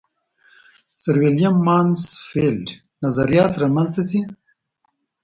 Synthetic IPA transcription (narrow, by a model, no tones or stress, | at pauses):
saɾwelijamːɑːnsfelɖ | nazaɾijɑːt̪ɾamanzt̪asi